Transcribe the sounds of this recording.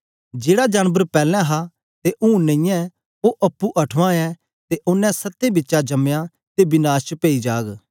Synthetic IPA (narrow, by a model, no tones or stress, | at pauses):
d͡ʒeːɽad͡ʒaːnbəɾpɛːlɛ̃ɦa | t̪eʔũːnə̃ɪ̃jɛ̃ | oʔɐpːuʔɐʈʰʋãɛ | t̪eʔʊnːɛ̃sɐt̪ːẽbɪtːʃad͡ʒɐmja | t̪ebɪnaːst͡ʃəpeːid͡ʒaːɡ